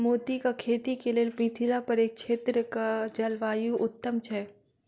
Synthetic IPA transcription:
moːt̪ikakʰeːt̪ikelielpĩːt̪ʰilapɐɾeːk̚t͡ʃʰeːt̪ɾəkad͡ʒɐlʋaːjuʔʊt̪ːəmt͡ʃʰɛː

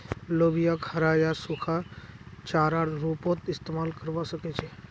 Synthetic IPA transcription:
lobijakʰəɾajasukʰat͡ʃaːɾaɽɾupot̪ɪst̪emaːlkəɾʋasəket͡ʃʰe

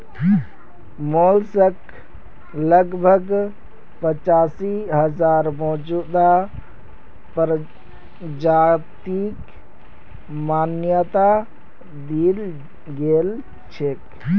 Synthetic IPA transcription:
moːlsək | ləɡbʱəɡ | pət͡ʃaːsiɦəd͡ʒaːɾmɔd͡ʒud̪a | pɾ | d͡ʒat̪ik | maːnjət̪a | d̪il | ɡeːl | t͡ʃʰek

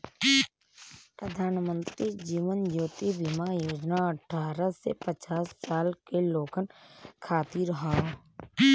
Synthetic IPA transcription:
pɾəd̪ʱaːnmə̃nt̪ɾid͡ʒiːʋənd͡ʒoːt̪ibɪmajoːd͡ʒnaəʈʰaːɾəsḛpət͡ʃaːsːaːlkeloːkənkʰaːt̪iɾəɦa

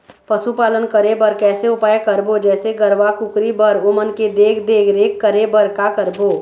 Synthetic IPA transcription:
pəsupaːlənkəɾebəɾkɛːseʊpaːjekəɾbod͡ʒɛːseɡəɾʋakʊkɾibəɾʊmənked̪eːkʰd̪eːkʰɾeːkːəɾebəɾkakəɾboː

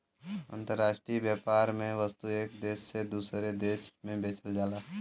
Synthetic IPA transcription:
ə̰̃nt̪əɾːaːʃʈɾiibjaːpaːɾmẽʋəst̪ueːkd̪eːʃːed̪uːsɾed̪eːʃmẽbeːt͡ʃʰəld͡ʒaːlaː

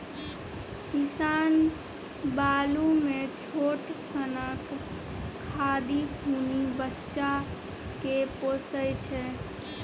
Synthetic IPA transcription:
kɪsaːn | baːlumẽt͡ʃʰoːʈkənək | kʰːaːd̪ikunibətːʃa | kepoːsəjt͡ʃʰɛː

